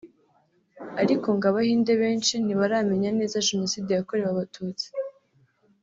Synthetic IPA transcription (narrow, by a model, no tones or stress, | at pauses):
aɾiko̞ŋɡaβahiːnde̞βe̞ːnt͡ʃiniβaɾaːme̞ɲane̞ːzaʒe̞no̞siːdejako̞ɾe̞waβatʰuːt͡si̥